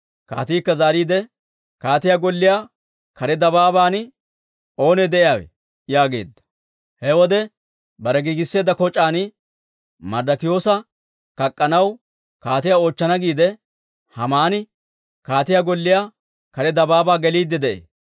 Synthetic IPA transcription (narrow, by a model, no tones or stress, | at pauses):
ka̰ːt̪iːkːɐzaːɾiːd̪ɛ | kaːt̪ɪjaːɡɔlːɪjaː | kɐɾɛd̪ɐbaːbaːn | o̞ːnɛd̪ɛʔɪjaːwɛ̰ | jaːɡe̞̰ːd̪ːɐ̥ | hɛwɔd̪ɛ | bɐɾɛɡiɡɪsːe̞ːd̪ːɐkɔt͡ʃʼːaːnɪ | mɐɾd̪ɐkɪjo̞ːsɐ | kɐkʼːɐnɐw | kaːt̪ɪjao̞ːt͡ʃːɐnɐɡiːd̪ɛ | hɐmaːnɪ | kaːt̪ɪjaːɡɔlːɪjaː | kɐɾɛd̪ɐbaːbaːɡɛliːd̪ːɛd̪ɛʔḛː